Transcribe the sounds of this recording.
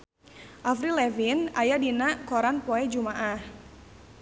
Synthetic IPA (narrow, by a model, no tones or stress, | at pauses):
ʔafɾilɛvinajadinakɔɾanpoɛd͡ʒumaʔah